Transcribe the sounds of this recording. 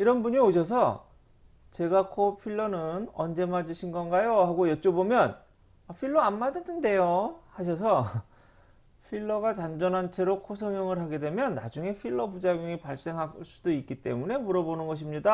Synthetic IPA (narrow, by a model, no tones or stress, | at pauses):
iɾʌnbuɲioɕ̬ʰʌs̬ʰʌ | t͡ɕe̞ɡakʰopʰiɭːʌnɯnʌnd͡ʑe̞mad͡ʑiɕʰinɡʌnɡajohaɡojʌt͡ɕ͈obomjʌn | apʰiɭːʌanmad͡ʑʌtʰɯnde̞johaɕ̬ʰʌs̬ʰʌ | ɸʰiɭːʌɡat͡ɕand͡ʑʌnɦant͡ɕʰe̞ɾokʰos̬ʰʌŋjʌŋɯɭɦaɡe̞dwe̞mjʌnːa̰d͡ʑuŋe̞pʰiɭːʌbud͡ʑaɡjuŋipaɭs͈e̞ŋɦaɭs͈u̥doik͈it͈e̞̰mune̞muɾʌbonɯnɡʌɕ̬ʰimɲida